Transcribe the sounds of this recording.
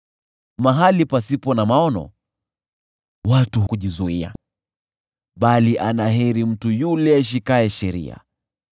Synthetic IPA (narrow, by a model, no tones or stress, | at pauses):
maɦalipasipɔnamaɔnɔ̰ | watuhkuʄizuia̰ | ɓaliʔanaɦɛɾim̩tujulɛʃ̬ikaɛʃɛɾḭa̰